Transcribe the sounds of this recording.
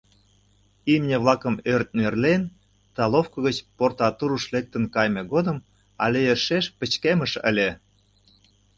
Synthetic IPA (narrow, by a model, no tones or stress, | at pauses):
imnʲeβlˠɑkə̆mørt̪̚nerlen | t̪ɑlˠofkɤ̆ɣət͡ɕport̪ɑt̪uɾuʃlek̚t̪ə̆nkɑjmeɣod̪ə̆m | ɑ̰lʲejeʃeʃpə̆t͡ɕkeməʃə̰lʲe